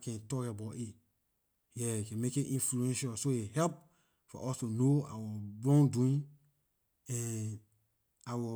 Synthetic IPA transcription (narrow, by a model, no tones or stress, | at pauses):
kɛ̃ntɔkaabati | jɛikɛ̃nmekeʔĩnfluɛ̃nʃasoehɛlp̚ | fɔ̰ʔɔstunoa̰wɔbɹɔ̃nduĩn | ɛ̃n | awɔ